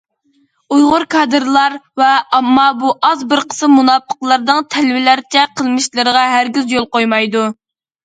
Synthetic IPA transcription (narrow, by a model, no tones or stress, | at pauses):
ujʁʊɾkʰɑd̪ɨɾlˠɑɾvɛɑmːɑbuʔɑzbəɾqʰə̥sɨmunɑpʰːə̥qlˠɑɾd̪ɨŋt̪ʰɛlvɪlæɾt͡ʃʰɛqʰəlˠmɨʃlˠɨɾəʁɑɦæɾɡʲyzjolˠqojmɑjd̪u